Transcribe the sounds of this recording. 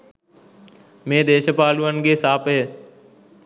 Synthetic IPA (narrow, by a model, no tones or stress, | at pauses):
mẽːd̪eːʃəpaːluːənɡeːsaːpɦeː